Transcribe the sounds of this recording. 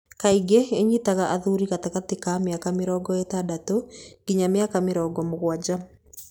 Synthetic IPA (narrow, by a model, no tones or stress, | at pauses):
kaiɡeeɲitaɣaʔaðuɾiɣataɣatikameakamɪɾɔːɡɔetadatoɡ̥iɲamɪakamɪɾɔːɡɔmoɣwad͡ʒa